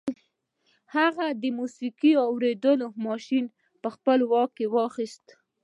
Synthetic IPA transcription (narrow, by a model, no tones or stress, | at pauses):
haɣad̪əmusikiɑwɾed̪əlomɑʃin | pəxpəlwɑkkːewɑxist̪